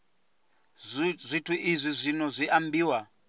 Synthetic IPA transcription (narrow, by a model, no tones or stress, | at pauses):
zʷitʰuʔizʷizʷinozʷiʔambiːwa